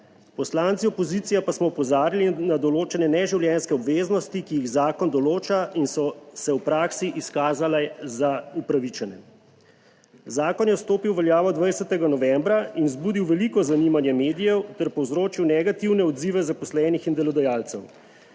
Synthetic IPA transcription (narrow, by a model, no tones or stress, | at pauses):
pɔslant̪siɔpɔzit̪sijapasmɔupɔzaːɾilinad̪ɔloːt͡ʃɛnɛnɛʒiwljɛnskɛɔbʋeːznɔst̪ikijiɣzaːkɔnd̪ɔloːt͡ʃainsɔsɛwpɾaːksiʔiskaːzalɛzaupɾaʋit͡ʃɛnɛ | zaːkɔnjɛst̪oːpiwʋɛljaːʋɔd̪ʋajsɛt̪ɛɡanɔʋɛmbɾainzbud̪iwʋɛlikɔzanimanjɛmeːd̪ijɛwt̪ɛɾpɔwzɾoːt͡ʃiwnɛɡat̪iwnɛɔd̪ziʋɛzapɔslɛnixind̪ɛlɔd̪ɛjaːlt̪sɛw